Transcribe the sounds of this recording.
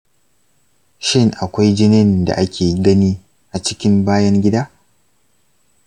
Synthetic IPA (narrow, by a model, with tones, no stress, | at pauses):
ʃɪ˦ŋʔa˨kʷa˦jd͡ʒɪ˦nɪ˦nda̰˨ʔa˦kʲeː˨ɡɐ˦niː˦ | ʔa˨t͡ʃɪ˦kʲɪ˦mbaː˦jɐ˦ŋɡʲɪ˦daː˦